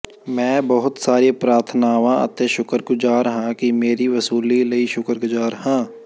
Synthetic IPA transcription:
mɛ̃ːbəɦʊt̪saːɾepɾaːɾt̪ʰnaːʋãə̰t̪eʃʊkəɾɡʊd͡ʒaːɾɦãkimeːɾiʋəsuːliləiʃʊkəɾɡʊd͡ʒaːɾhãː

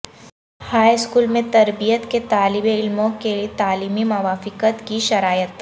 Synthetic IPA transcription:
haːjskuːlmẽt̪ɐɾbijət̪ket̪aːlɪbeɪlmõkelt̪aːliːmimɐʋaːfɪkət̪kiʃɐɾaːjət̪

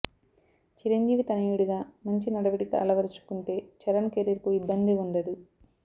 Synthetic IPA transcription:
t͡ʃiɾɐɲd͡ʒiːʋit̪ɐnɐjuɽuɡaːmɐɲt͡ʃinɐɽɐʋiʈikɐɐ̰lɐʋɐɾit͡ʃu̥kuɳʈe̞ːt͡ʃɐɾɐnkeɾiɾkuibːɐnd̪iuɳɖɐd̪i

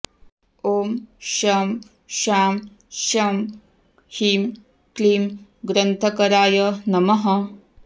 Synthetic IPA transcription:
oːmʃaːm | ʃaːm | ʃaːm | hiːm | kliːmɡɾɐnt̪ʰɐkɐɾaːjɐnɐmɐɦɐ

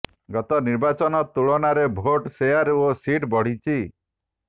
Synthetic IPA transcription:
ɡɔt̪ɔniɾbat͡ʃɔnɔt̪uɭɔnaɾebʱoʈseaɾosiʈbɔɽ̤it͡ʃʰi

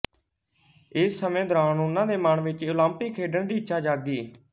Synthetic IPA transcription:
ɪsːəmẽːd̪əɾaːnʊnːãːd̪eːməɳʋɪt͡ʃoːlãːmpikʰeːɖəɳd̪iːɪtːʃaːd͡ʒaːɡiː

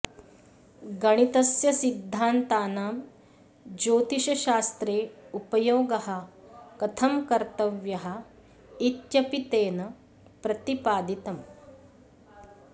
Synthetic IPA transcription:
ɡɐɽ̃it̪ɐsjɐsid̪ʱːaːnt̪aːnaːm | d͡ʒoːt̪iʃɐʃaːst̪ɾeːupɐjoːɡɐɦɐ̆kɐt̪ʰɐmkɐɾt̪ɐʋjɐɦɐ | it̪jɐpit̪eːnɐ | pɾɐt̪ipaːd̪it̪ɐm

